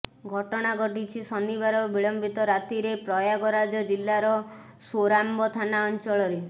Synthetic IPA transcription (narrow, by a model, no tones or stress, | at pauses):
ɡʱɔʈɔɽ̃aɡʱɔʈit͡ʃʰisɔniβaɾɔbiɭɔmbʱit̪ɔɾat̪iɾepɾɔjaɡɔɾad͡ʒɔd͡ʒilːaɾɔ | soɾambɔt̪ʰanaɔnt͡ʃɔɭɔɾe